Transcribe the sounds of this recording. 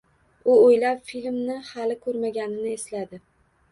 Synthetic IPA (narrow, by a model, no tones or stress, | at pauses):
ʊojlapfilmnɪhalɪkʰɵɾmaɡʲanɪnɪeslad̪ɪ